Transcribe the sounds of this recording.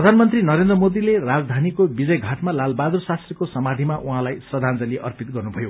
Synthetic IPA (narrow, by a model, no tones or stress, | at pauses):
rʌd̪ʱanmʌnt̪rinʌɾend̪rʌmod̪ilerad͡zd̪ʱanikobid͡zʌjɡʱaʈmalalbad̪ursast̪rʌkosʌmad̪ʱimaʔuɦãlajsrʌd̪ʱand͡zʌliʔʌ̰rpit̪̚ɡʌrnubʱʌjo